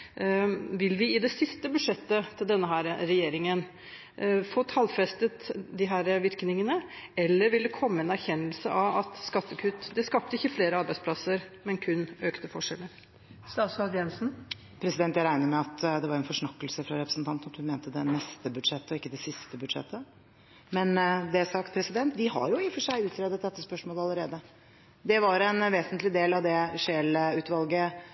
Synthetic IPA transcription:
ʋɪlːʋɪɪd̪ɛsɪst̪əbʉʂɛt̪ːət̪ʰɪld̪ɛnːəɦæːɾɾɛjeːɾɪŋən | foːt̪ʰɑlfɾɛst̪ət̪d̪ɪɦæːɾʋɪɾknɪŋənəɛlːəɾʋɪld̪ɛkʰɔmːəɛːnæɾçɛnːəlsə̰ʔɑʋɑt̪skɑt̪ːəkʰʉt̪ːd̪ɛskɑːp̚t̪əɪçːəfleːɾəɑɾbæɪsplɑsəɾmɛnkʰʉnːøːkt̪əfɔʂɛlːəɾ | st̪ɑːsɑd̪jɛnsn̩ | pʰɾɛsɪd̪ɛnt̪jæɪɾæɪnəɾmɛɑt̪d̪ɛʋɑɾɛnfɔʂɳɑkːəlsəfɾɑɾɛpɾəsn̩t̪ʰɑnt̪nɑt̪hʉnmeːnt̪əd̪ɛnɛst̪əbʉd̪ʂɛt̪ːəɔɪkːəd̪ɛsɪst̪əbʉd̪ʂɛ̰t̪ʰːə | mɛnd̪ɛsɑkt̪̚pʰɾɛsɪd̪ɛnt̪ʋɪɦɑ̰ɾjʊɪfːɔʂæɪʉːt̪ʰɾɛːd̪ət̪̚d̪ɛt̪ːəspœʂmoːləɑləɾeːd̪ə | d̪ɛʋɑɾɛnʋeːsənt̪lɪd̪eːlɑʋd̪ɛʂeːləʉːt̪ʋɑlɡə

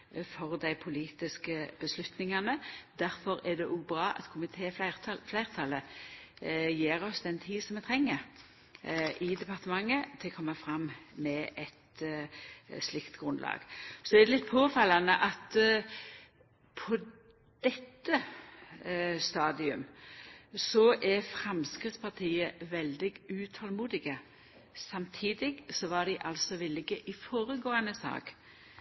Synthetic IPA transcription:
fɔʁd̪æɪpʰʊliːt̪ɪskəb̥əslʉt̪nɪŋɑnəd̪æɾfɔɾɛd̪ɛʔuːbɾɑːʔɑ̰t̪kʰʊmɪt̪ʰeːɑflæɪʁt̪ʰɑlə | jeːʁɔsd̪ɛnt̪ʰiːsɔmʋɛt̪ʰʁɛŋːəɾ | ʔɪd̪ɛpɑʁt̪əmɑŋːət̪ʰɪlkʰɔmːɑfʁɑmːmɛʔɛt̪ | slɪkt̪ɡʁʉnd̪lɑ̰ːɡ̥sɔɛɾd̪ɛlɪt̪̚ːpʰoːfɑlːɑnəʔɑt̪ | pʰɔ | d̪̥ɛt̪ːə | st̪ɑːd̪ɪʉm | sɔʔɛfɾɛmskɾɪt̪spʰɑt̪ʰiːəʋɛld̪ɪɡʉːt̪ʰɑlmuːd̪ɪɡə | sɑmt̪ʰiːd̪ɪɡsɔʋɑɖ̪ɪʔɑlsɔʋɪlːɪɡəʔɪfoːɾəɡoːənəsɑ̰ːk

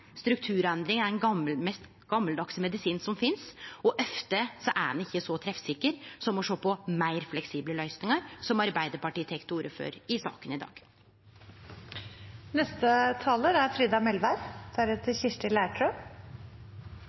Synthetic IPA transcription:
st̪ɾʉk̚t̪ʰʉːɾɛnd̪ɾɪŋæɾɛnɡɑməlmɛst̪ | ɡ̥ɑmːəld̪ɑksmɛd̪ɪsiːnsɔmfɪnsɔʔɛft̪əsɔʔæ̰ɾɑnɪçːəsɔt̪ʰɾɛfsɪkːəɾsɔmɔʂoːpɔmæɪɾflɛksiːbləlœʏsnɪŋəɾsɔmɑɾbæɪd̪əɾpɑʈiːt̪ʰɛkt̪uːɾəfø̰ːɾɪsɑ̰ːkənɪd̪ɑ̰ːɡ̥ | nɛst̪ət̪ʰɑːləɾæɾfɾiːd̪ɑmɛlʋæɾd̪̥ʰæɾət̪ʰəçɪʂʈəlæːʈʰɾø

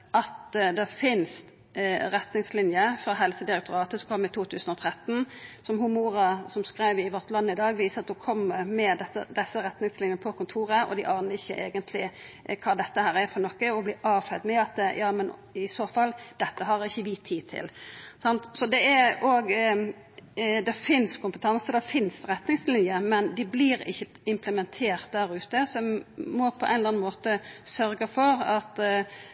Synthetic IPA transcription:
ʔɑt̪d̪ɛfɪnst̪ | ɾɛt̪nɪŋslɪnjəfɾɑɦɛlsəd̪ɪɾɛk̚t̪ʰʊɾɑːt̪əsɔkʰɔmːɪt̪ʰuːt̪ʰʉːsənɔt̪ʰɾɛt̪ːn̩sɔmɦumuːɾɑsɔmskɾæɪʋəɪʋɔʁt̪lɑnːəɪd̪ɑːɡʋiːsəɑt̪̚d̪ʊkʰɔmːəmɛd̪ɛə̰d̪ɛsːəɾɛt̪nɪŋslɪnjənəpʰɔkʊnt̪ʰuːɾəʔɔ̰d̪ɪʔɑːnəɾɪçːəʔeːɡənt̪ʰlɪkʰɑːd̪ɛt̪ːəhæːɾɛfɔnɔkːəɔblɪːʔɑːfɛd̪mɛɑt̪̚d̪ɛjɑːmɛnɪsoːfɑlːd̪̥ɛt̪ːəɦɑɾɪçːəʋɪt̪ʰiːt̪ʰɪ̰lsɑnt̪sɔd̪ɛɛoːɡ | d̪ɛfɪnskʊmpət̪ʰɑnsəd̪ɛfɪnsɾɛt̪nɪŋslɪnjəmɛnd̪ɪblɪɾɪ̰çːə | ɪmpləmɛnt̪ʰeːɾt̪̚d̪æːɾʉːt̪əsɔɔmmɔpʰɔʔɛ̰nlɑnmoːt̪əsœɾɡəfɔɾɑt̪

